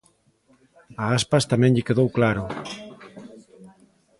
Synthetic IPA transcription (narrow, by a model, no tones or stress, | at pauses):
aaspast̪amɛ̃ŋʎɪkeðowklaɾʊ